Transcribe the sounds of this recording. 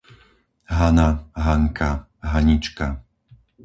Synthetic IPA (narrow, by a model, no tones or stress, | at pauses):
ɦanaɦaŋka | ɦaɲit͡ʃka